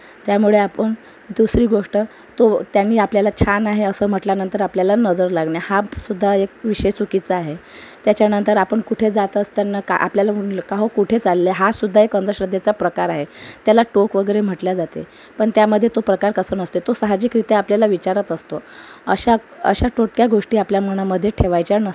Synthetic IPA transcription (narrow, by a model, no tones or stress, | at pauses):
t̪jamuɭeapəɳ | d̪usɾiːɡoʂʈə | t̪ot̪janːiːapljalat͡ɕʰanaɦeəsəːm̤əʈljanənt̪əɾapljalanəd͡zəɾlaɡɳjahasud̪ʱːaek̚ʋiɕet͡sukit͡səaɦet̪jat͡ɕjanənt̪əɾapəɳkuʈʰed͡zat̪əst̪anːakaʔa̰pljalakaɦokuʈʰet͡salːeɦasud̪ʱːaekənd̪əɕɾəd̪ʱːet͡sapɾəkaɾaɦet̪jalaʈokʋəɡəɾem̤əʈljad͡zat̪ḛ | pəɳt̪jaməd̪ʱːjet̪opɾəkaɾkəsənəst̪et̪osaɦad͡ʑiːkɾit̪eapljalaʋit͡ɕaɾət̪əst̪oə̰ɕa | ə̰ɕaʈoʈ̚kjaɡoʂʈiːapljaməɳ̃aməd̪ʱːjeʈʰeʋajt͡ɕanəs